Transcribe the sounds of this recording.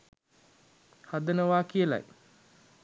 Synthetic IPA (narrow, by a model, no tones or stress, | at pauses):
had̪ənəʋaːkijəla̰j